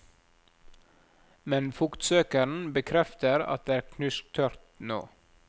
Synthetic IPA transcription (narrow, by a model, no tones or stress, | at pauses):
mɛnfʊkt̪søːkəɾɳ̩bəkʰɾɛft̪əɾɑ̰t̪̚d̪eːæːɾkʰnʉsk̚t̪ʰœɾt̪no̰ː